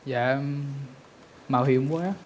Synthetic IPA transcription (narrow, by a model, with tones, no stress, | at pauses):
za̰ː˧˨ | maː˨˩hi˨˩˨əŋ͡mkwaː˨˦